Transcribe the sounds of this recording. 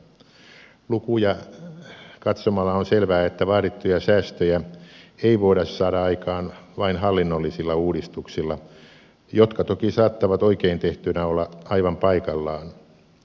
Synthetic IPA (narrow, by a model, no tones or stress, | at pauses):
lukujɑ | kɑt̪somɑlːɑonselʋæːet̪ːæʋɑːɾit̪ːujɑsæːst̪øjæeiʋoiɾɑssɑːɾɑɑikɑːnʋɑinhɑlːinːolːisilːɑuːɾist̪uksilːɑ | jot̪kɑt̪okisɑːt̪ːɑʋɑt̪oikeint̪eht̪ynæolːɑɑiʋɑmpɑikɑlːɑːn